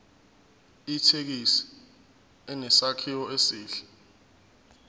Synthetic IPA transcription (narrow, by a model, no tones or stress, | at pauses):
itʰek̬isi̥ | ɛnɛsakʰiwɔesiːɬɛ̥